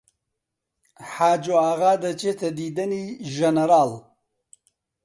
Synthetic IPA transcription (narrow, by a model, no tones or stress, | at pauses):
ħaːd͡ʒoaɣad̪ət͡ʃet̪ad̪id̪əniʒanaɾaːl